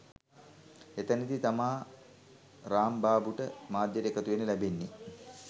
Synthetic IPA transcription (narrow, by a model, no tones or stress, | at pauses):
et̪ənit̪it̪amaː | ɾaːmbaːbuʈəmaːd̪jɐɾekɐt̪uʋenəlæbenːi